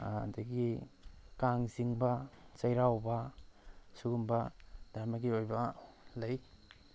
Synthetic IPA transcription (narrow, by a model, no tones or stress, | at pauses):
dɐɡikaŋziŋbɐt͡ʃɐjɾawbɐ | suɡumbɐd̥aɾmɐɡiojbɐlɐj